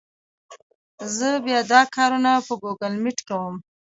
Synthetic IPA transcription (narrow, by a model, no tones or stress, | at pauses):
zəbjɑd̪ɑkʰɑɾunapəɡuɡalmɪʈkawəm